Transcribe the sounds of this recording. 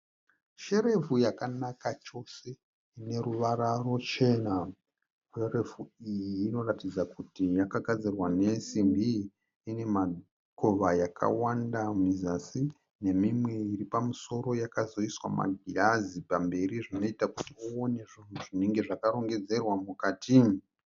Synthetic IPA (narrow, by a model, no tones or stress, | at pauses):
ʃe̞ɾe̞vujakanakat͡ʃo̞se̞ | ine̞ɾuʋaɾaro̞t͡ʃe̞na | ʃere̞vuijiːno̞ratid͡zakutijakaɡʱad͡zirwane̞simbiː | ne̞ma | ko̞ʋajakʰa̰wandamizasi | ne̞mimwe̞iripamuso̞ɾo̞jakazo̞iswa̰ma̰ɡʱiazipambe̞riʐino̞itakutiuone̞ʐin̤uʐine̞ŋɡe̞ʐakaɾo̞ŋɡe̞d͡ze̞rwamukaːti